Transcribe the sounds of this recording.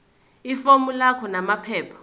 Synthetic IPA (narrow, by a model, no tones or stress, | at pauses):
ifomulakʰɔnamapʰɛːpʰɔ̥